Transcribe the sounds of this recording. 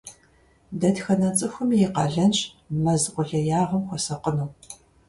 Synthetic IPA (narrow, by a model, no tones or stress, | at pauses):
dɐdxɐnɐt͡sʼɨxʷʊmjɛqɑɮɐnt͡ʃ | mɐzqʷʊɮɐjaːʁɐmxʷɔsɐqənuː